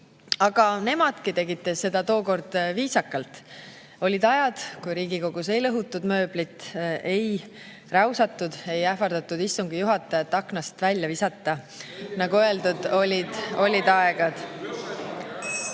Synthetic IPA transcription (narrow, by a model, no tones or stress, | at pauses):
ɑɡ̥ɑne̞mɑd̪̥kit̪e̞ɡit̪ːˑesːe̞d̪̥ɑt̪o̞ːko̞rd̪̥viːsɑkːɑlt̪ | o̞lʲid̪̥ɑjɑd̪̥kujɾiːɡiko̞ɡ̥us̬e̞jlɤɦut̪ːˑud̪̥mø̞ːblit̪ːˑe̞j | rɑwsɑt̪ːˑud̪̥e̞jæfɑrd̪̥ɑt̪ːud̪isːuŋɡ̥ijuɦɑt̪ːˑɑjɑt̪ːˑɑknɑst̪vælʲːjɑvisɑt̪ːˑɑ | nɑɡ̥uø̞eld̪ud̪̥olʲid̪̥o̞lʲid̪ɑeɡ̥ɑd̪̥